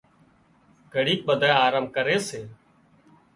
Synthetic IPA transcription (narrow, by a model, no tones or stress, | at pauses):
ɡʱəɽiːk̚ɓəd̪ʱajaːɾəmkəɾeːseː